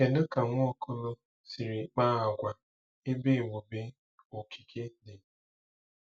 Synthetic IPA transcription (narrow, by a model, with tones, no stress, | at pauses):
e˨dʊ˦ka˨ŋʷʊ˦ɔ˦kʰo˦lo˦ | si˨ɾi˨k͡paː˦a˨ɡʷa˨ | ɪ˦be˦˨wʷu˨be˦ | o˨kʰi̥˨kʰe˦dɪ˨